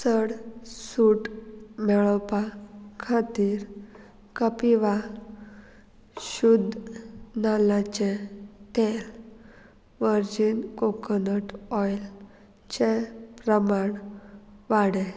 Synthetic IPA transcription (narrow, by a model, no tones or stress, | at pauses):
səɽsuʈmɛɭəwpakʰat̪iːɾ | kəpiʋa | ɕud̪ʱnalat͡ɕet̪el | ʋəɾd͡ʑinkokənəʈɔjl | t͡ɕepɾəmaɳʋaɽe